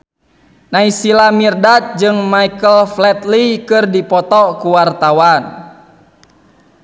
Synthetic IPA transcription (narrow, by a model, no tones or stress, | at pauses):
naisilamirdat̪̚d͡ʒɨŋmaikəlflɛt̪likɨrdipɔt̪ɔkuwart̪awan